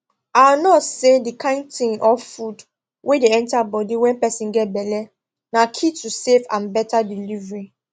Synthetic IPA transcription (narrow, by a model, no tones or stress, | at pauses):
awnɔtsedikʰãɪ̃ntĩŋɔfud | wʔedeɛ̃ntabɔdiwɛ̃npɛsĩnɡɛt̚bɛlɛ | nakʰitusefãnbɛtadilivɹĩ